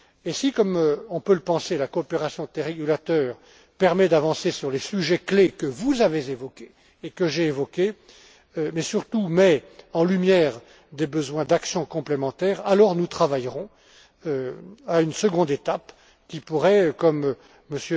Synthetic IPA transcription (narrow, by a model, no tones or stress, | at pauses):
esikɔmøɔ̃pøləpɑ̃selakɔːpeʁasjɔ̃t̪eʁeɡʲylat̪œːʁ | pɛʁmɛd̪avɑ̃sesyʁlesyʒɛklekəvuzavezevɔkʲeː | kəʒeːvɔkʲe | mɛsyʁt̪umɛɑ̃lymjɛːʁ | d̪ebəzwɛ̃d̪aksjɔ̃kɔ̃plemɑ̃t̪ɛːʁalɔʁnut̪χavajʁɔ̃ | øaynsəɡɔ̃d̪et̪ap | kʲipuʁɛkɔmː | əsjø